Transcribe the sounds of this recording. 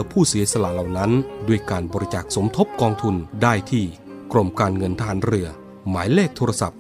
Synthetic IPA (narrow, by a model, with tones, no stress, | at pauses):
pʰuː˥˩si˨˩˦sa˧la˧˦la˨˩wna˦˥ndu˧˩əjkaː˧nbɔː˧ɾi˦˥t͡ɕaː˨˩k̚so˩˦mt̪ʰo˦˥p̚kɔː˧ŋt̪ʰu˧ndaː˥˩jt̪ʰiː˥˩ | kɾo˧˩mkaː˧nŋɤ˧nt̪ʰa˧ɦaː˩˦nɾɯ˧ɐ | maː˩˦jleː˥˩k̚t̪ʰoː˧a˧sa˨˩p̚